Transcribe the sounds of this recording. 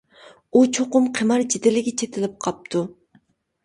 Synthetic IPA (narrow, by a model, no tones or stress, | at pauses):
ut͡ʃʰoqʊmqʰəmɑɾd͡ʒid̪ɪlɪɡʲɛt͡ʃʰet̪ʰɪlɪp̚qʰɑp̚t̪ʰu